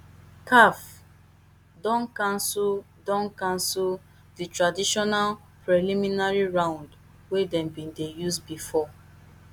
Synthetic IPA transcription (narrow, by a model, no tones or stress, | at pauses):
kaf | dɔ̃nkãnsul | dɔ̃nkãnsul | ditɹadiʃɔnal | pɹeliminaɹiɹãʊ̃nd | wedɛ̃mbĩndejusbifɔ